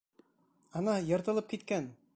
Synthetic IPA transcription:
ɑnɑjɤ̆ɾt̪ɤ̆lˠɤp̚kit̪kæn

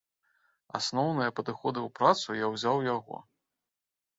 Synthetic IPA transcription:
a̰snɔwnɨjɐpɐd̪ɨxɔd̪ɨwpɾat̪sujawzʲawjaɣɔ̰

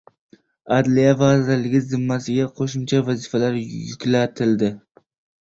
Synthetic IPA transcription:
ad̪lijavazɪɾlɪɡʲɪzɪmːasɪɡʲaqʰoʃʊmt͡ʃʰavazɪfalaɾjʊkʲlat̪ʰɪld̪ɪ

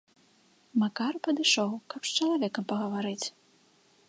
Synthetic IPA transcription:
makarpɐd̪ɨʂɔwkɐpst͡ʃɐlˠavʲɛkɐmpɐɣɐvaɾɨt͡sʲ

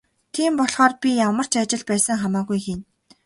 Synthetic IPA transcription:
t̪ʰiːmpɔɮχɔːrpʲijamə̆r̥t͡ɕat͡ɕɪ̆ɮpæːsə̆ŋχamaːɣujxin

